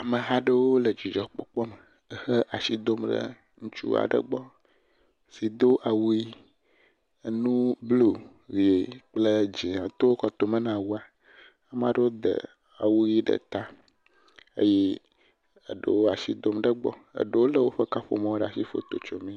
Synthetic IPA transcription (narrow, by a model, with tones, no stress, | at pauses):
a˨mə˨ɦa˦ɖə˦wo˦lə˨d͡ʒi˨d͡ʒɔ˨˦k͡pɔ˦k͡pɔ˦mə˨ | ə˨hə˦ʔa˨si˦d̪o˦mɖə̰˦ | ŋũ˦t͡ʃṵ˦a̰˨ɖə̰˦ɡ͡bɔ˦ | si˨d̪o˦ʔa˨wu˦ji˦˨ | nũ˦blo˦˨ | vi˨e˨k͡plə˦d͡ʒi˨a˨t̪o˦wo˦kɔ˨t̪o˨mə˦nã˨wu˦a˨ | a˦m˦ã˦ɖə˦wo˦d̪ə̰˨ | a˨wu˦ji˦ɖə̰˦t̪a˦ | ḛ˦je˦ | ə̰˨ɖə̰˨wo˦a˨si˦d̪o˦mɖə˦ɡ͡bɔ̰˦ə̰˨ɖə˦wo˦lə˦˨wo˦ɸə˦ka˦ɸo̰˨mã˦o˦ɖa˨si˦fo̰˦t̪o˨t͡ʃo˨mĩ˦